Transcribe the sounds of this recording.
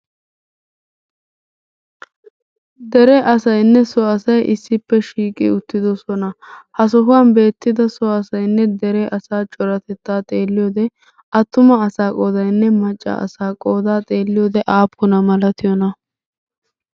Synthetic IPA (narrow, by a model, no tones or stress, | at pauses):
d̪ɛɾɛʔɐsɐjnːɛsɔɐsɐjʔɪsːɪpːɛʃiːkʼɪ̰ʊt̪ːɪd̪ɔsɔnɐhɐs̬ɔɦʊaːnbe̞ːt̪ːɪd̪ɐsɔɐsɐjnːɛd̪ɛɾɛʔɐsaːt͡ʃʼɔɾɐt̪ɛt̪ːaːt̪ʼeːlːɪjoːd̪ɛ | ʔɐt̪ːʊmɐɐsaːkʼo̞ːd̪ɐjnːɛmɐt͡ʃʼːɐ̰ɐ̰saːkʼoːd̪aːt̪ʼe̞ːlːɪjoːd̪ɛʔaːpːʊnɐmɐlɐt̪ʰɪjɔnɐ